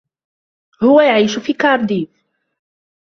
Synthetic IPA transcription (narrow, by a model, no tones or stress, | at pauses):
hʊwajaʕiːʃʊfiːkɑɾˤd̪iːf